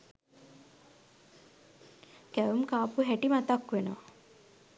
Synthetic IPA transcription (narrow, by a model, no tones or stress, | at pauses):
kæʋumkaːpuɦæʈimat̪akʋeno